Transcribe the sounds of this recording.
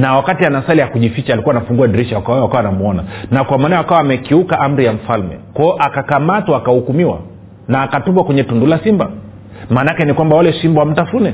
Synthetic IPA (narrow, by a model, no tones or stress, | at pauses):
nawakatianasalijakuʄifit͡ʃalikuwanafuŋɡuadɾiʃawakaakawanamuɔna̰nakwamanawakawaːmɛkiukaʔam̩ɾijam̩falmɛ̰kwajɔʔakakamatwaːkahukumiwa̰ | naːkatupwakwɛɲɛtundulasimba | manakɛnikwambawalɛsimbawam̩tafunɛ